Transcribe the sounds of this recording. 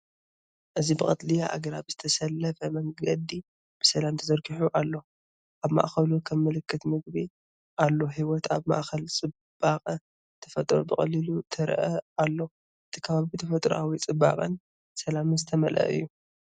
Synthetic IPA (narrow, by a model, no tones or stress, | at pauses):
ʔɨzibɨkʼɐt̪lijaʔa̰ɡɐɾaβz̥ɨt̪ʰɐsɐlːɐfɐmɐŋɡɐd̪i | b̥ɨsɐlamt̪ʰɐzɐɾɡiħuʔalːo̞ | ʔaβma̰ʔxɐlukʰɐmːɨlɨkʰːɨt̪mɨɡbi | ʔalːo̞ɦiwɔt̪aβma̰ʔkɐlt͡sʼɨ | b̥aqʼɐ | t̪ʰɐ̥fɐt̪ʼɾobɨχʼɐlilut̪ʰɐɾ̰ʔɐalːo̞ | ʔɨt̪ʰikʰɐβaβit̪ʰɐfɐt̪ʼɾṵʔawit͡sʼɨba̰qʼɐn | sɐlamɨzɨt̪ʰɐmɐlʔɐ̰ʔɨ̰jːu